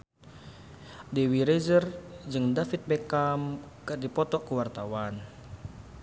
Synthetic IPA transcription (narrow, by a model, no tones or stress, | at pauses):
dɛwiɾezərd͡ʒɨŋdafit̪̚bɛkamkɨdipɔt̪ɔkəwart̪awan